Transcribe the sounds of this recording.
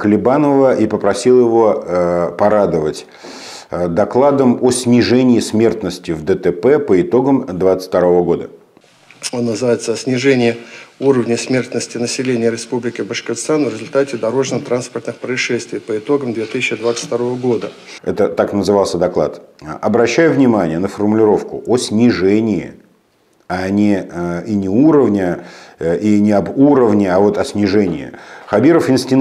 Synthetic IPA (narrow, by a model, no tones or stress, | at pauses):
kəlʲɪbanəvəʔipəpɾɐsʲilˠjɪvo̞pɐɾad̪əvətʲ | d̪ɐklˠad̪əmosʲnʲɪʐɛnʲɪːsʲmʲe̞rt̪nəsʲtʲɪvd̪ət̪ɛpɛpəɪt̪o̞ɡəmd̪vat̪sɨ̥t̪ɐɾo̞vəɡo̞d̪ə | o̞nːəzɨvajɪt̪səɐsʲnʲɪʐɛnʲɪjɪuɾəvnʲəsmʲe̞rt̪nəsʲtʲɪnəsʲɪlʲenʲɪjəɾʲɪspublʲɪkʲɪbəʂkʲɪt̪st̪anvɾʲɪzʊlʲt̪atʲɪd̪ɐɾo̞ʐnət̪ɾanspərt̪nɨxpɾəɪʂːɛst̪vʲɪjpəɪt̪o̞ɡəmd̪vʲet̪ɨsʲɪɕɪd̪vat̪sɨ̥ft̪ɐɾo̞vəɡo̞d̪ə | ɛ̰t̪ət̪aknəzɨvalˠsʲəd̪ɐklˠa̰t̪ʔɐbɾɐɕːæjʊvnʲɪmanʲɪjənəfərmʊlʲɪɾo̞fkʊ̰ʔosʲnʲɪʐɛnʲɪɪ̰ | anʲɪinʲɪuɾəvnʲə | inʲɪɐbuɾəvnʲɪavo̞t̪ɐsʲnʲɪʐɛnʲɪ̰ɪ̰xɐbʲiɾəfɪnsʲtʲɪn